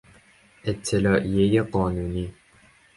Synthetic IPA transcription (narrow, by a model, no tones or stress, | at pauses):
ʔɪt̪ʰːɪlɑːʔijejeqɒːnuːniː